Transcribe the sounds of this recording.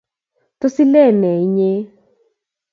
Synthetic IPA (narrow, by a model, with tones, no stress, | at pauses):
to˦si˦lɛ˦˨nɛ˨i˦ɲe˦